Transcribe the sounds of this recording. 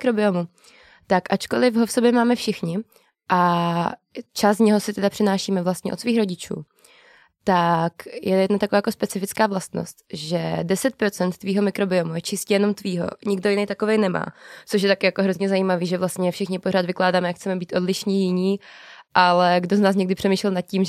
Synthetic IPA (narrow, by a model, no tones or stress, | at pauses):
kɾobɪomu | t̪akʔat͡ʃko̞lɪfɦofsobjɛmaːmɛfʃɪxɲɪ | ʔa | t͡ʃaszɲɛɦo̞sɪt̪ɛdapr̥ɪnaːʃiːmɛvlast̪ɲɛ̰ʔot̪sviːxɾo̞ɟɪt͡ʃṵː | t̪akjʔɛjɛdnat̪akovaːjakospɛt͡sɪfɪt͡skaːvlast̪no̰st̪ʒɛdɛsɛt̪̚pɾo̞t͡sɛnt̪ːviːɦo̞mɪkɾo̞bɪomujɛt͡ʃɪscɛjɛno̞mt̪viːɦo̞̰ɲɪɡ̚do̞jɪnejt̪ako̞vɛjnɛma̰ːt͡soʃ̬jɛt̪akɪjakoɦɾo̞zɲɛzajiːmaviːʒɛvlast̪ɲɛfʃɪxɲɪpo̞ɾ̝aːd̪vɪklaːdaːmɛjakxt͡sɛmɛbiːt̪ʔo̞dlɪʃɲiːjɪɲiːʔalɛɡdoznaːs̬ɲɛɡdɪpr̥ɛmiːʃlɛlnat̪̚cim